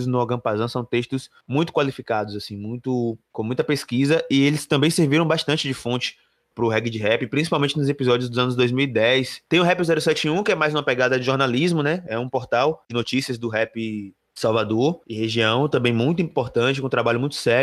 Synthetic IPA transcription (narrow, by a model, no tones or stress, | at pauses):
znʊɔɡɐ̃pazɐ̃w̃sɐ̃w̃t̪eʃt̪ʊs | mũj̃t̪ʊkwalifikad̪ʊzasĩmũj̃t̪ʊkõmũj̃t̪ɐpeskizɐʔɪelɪst̪ɐ̃mbẽj̃seɾviɾɐ̃w̃baʃt̪ɐ̃t͡ʃɪd͡ʒɪfõnt͡ʃɪ̥ | pɾʊɦɛɡɪd͡ʒɪɦɛpɪpɾĩs̬ipawmẽnt͡ʃɪnʊzepizɔd͡ʒiʊzd̪ʊzɐ̃nʊzd̪ojzmiwid̪ɛjst̪ẽj̃ʊ̃ɦɛpizɛɾʊsɛt͡ʃĩũkɪɛmajzũmɐpɛɡad̪ɐd͡ʒɪʒoɾnalizmʊnɛɛũpɔɾt̪awd͡ʒɪnot͡ʃisiɐzd̪ʊɦɛpɪ | sawvad̪oɾɪheʒiɐ̃w̃t̪ɐ̃mbẽj̃mũj̃t̪̬ʊĩpoɾt̪ɐ̃t͡ʃɪkõt̪ɾabaʎʊmũj̃t̪ʊ̥sɛ